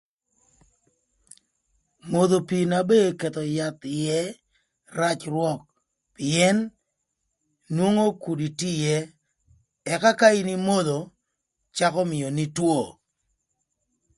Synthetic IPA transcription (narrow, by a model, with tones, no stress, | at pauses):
mo˨ðo˨pi˨na˨be˦kɛ˨t̪ɔ˨ja˦t̪jɛ˦ | ɾa˦t͡ʃrwɔ˦k̚ | pɪ˨ɛ˦n | wo˦ŋo˦ku˨di˨ti˦jɛ˦ | ɛ˨ka˦ka˦i˦ni˦mo˦ðo˨ | t͡ʃa˦kɔ˦mɪ˨jɔ˨ni˦two˦˨